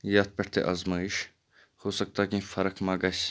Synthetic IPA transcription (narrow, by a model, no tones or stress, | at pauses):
jaːt̪̚pɛʈt̪ḛʔazmaːiʃ | hoːsɐk̚t̪aːkĩːfɐɾɐkʰmaːɡɐs